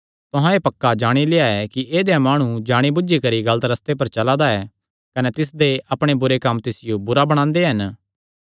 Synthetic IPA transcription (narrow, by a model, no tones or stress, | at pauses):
t̪ʊɦãeːpɐkːad͡ʒaːɽ̃ileaɛkiʔeːd̪ejãmaːɽ̃ũd͡ʒaːɽ̃ibʊd͡ʒikɐɾiɡɐlət̪ɾɐst̪ep̬ɐɾt͡ʃɐlad̪aɛː | kɐnɛt̪ɪs̬d̪eʔɐpɽ̃ebʊɾekɐmːt̪ɪsɪjobʊɾabɐɽ̃ãːnd̪eɦɐn